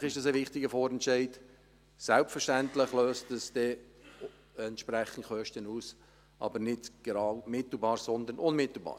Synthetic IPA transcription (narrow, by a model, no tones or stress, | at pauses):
χɪʃd̥ɑsɛʋɪχtɪɡəfoːɾɛntʃɛɪd | sælpfəʃtæntləχløːstdəsd̥ɛ | ɛntʃprɛχən̩tχœʃtənuːs | ʔɑ̰bəɾnɪdɡ̥eɾɑːwmɪt̪l̩bɑːɾsɔnd̪əɾnʊnmɪt̪l̩ˠbɑ̰ː